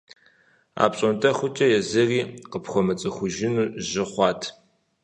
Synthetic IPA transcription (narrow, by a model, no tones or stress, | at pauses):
a̰ːpɕʼɐntʰɐχʷʊt͡ʃʼɐjɛzɨriːqəpχʷɔmɐt͡sʼɨxʷʊʒɪnuːʒɪχʷɑːtʰ